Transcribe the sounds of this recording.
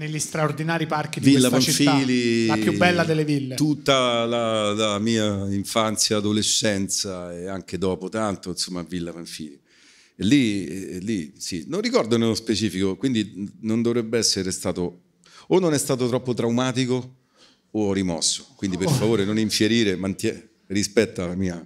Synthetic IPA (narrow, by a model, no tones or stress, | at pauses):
neʎːist̪ɾaord̪inaːɾiparkid̪ivilːafaɱt͡ʃifiliajubɛlːad̪elːevilːet̪ut̪ːalalamiːaiɱfant̪sjaːd̪oleʃːɛnt̪saɛaŋk̟ed̪ɔːpot̪ant̪oinsomːavilːafaɱfḭːli | elːilːisinonrːikɔrd̪onelːospet͡ʃiːfikokwind̪inond̪ovɾɛbːeɛsːeɾest̪aːt̪o | onːonɛst̪aːt̪̬ot̪ɾɔpːot̪ɾawmaːt̪ikoː | ɔrːimɔsːo̥kwind̪iperfavoːɾenoniɱfjeɾiːɾemant̪jɛ | rispɛt̪ːalamiːa